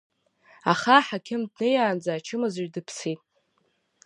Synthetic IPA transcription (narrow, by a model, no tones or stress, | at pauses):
aχaħakʲʰɪmdnɨjaːnd͡zaːt͡ʃʰɨmɨzɥdɨpʰsitʼ